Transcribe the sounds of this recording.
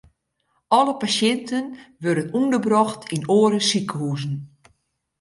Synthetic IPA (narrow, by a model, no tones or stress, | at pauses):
ʔɔləpasjɪntʰənʋørdənundərbrɔxtʰinoːəɾəsikəhuːzən̩